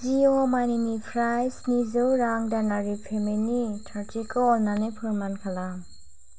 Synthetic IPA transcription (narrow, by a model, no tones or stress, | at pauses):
ziomajninipʰɾajsnizowɾaŋdanaɾipʰemenitʰaɾtikʰɔɔlnanepʰɯɾmankʰala